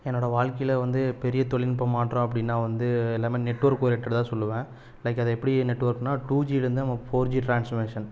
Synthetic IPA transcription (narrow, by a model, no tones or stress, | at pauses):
ɛnːoːɽɐʋaːɭkɐjɪlɐʋɐnd̪ɯpɛɾɪjɐt̪ɔɭɪnpɐmaːʈrõːɐpːɐɽɪnːaːʋɐnd̪ɯɛlːaːmeːnɛʈːʋɐɾkːoːɾɛʈːɐɽt̪ãːsɔlːɯʋẽː | lɐɪkːɐðɐɛpːɐɽinɛʈːʋɐɾknaːʈuːd͡ʒiːɪɾɯnd̪ɯɐmaːfoːɾd͡ʒiːʈɾaːnsfɐɾmeːʂɐn